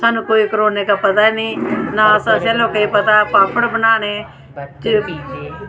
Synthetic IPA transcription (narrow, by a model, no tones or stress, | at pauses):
saːnũːkoːikəɾoːneːkaːpət̪̬aːnĩːnaːəsãːseloːkeiːpət̪aːpaːpʰəɽbənaːñeː | t̪eiː